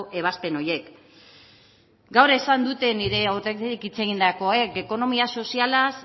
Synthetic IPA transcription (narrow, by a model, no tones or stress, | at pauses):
e̞β̞aspe̞no̞je̞k | ɡawɾesand̪ut̪e̞niɾe̞oɾt̪ekikit͡se̞ɣind̪ako̞e̞ke̞ko̞no̞miaso̞sialas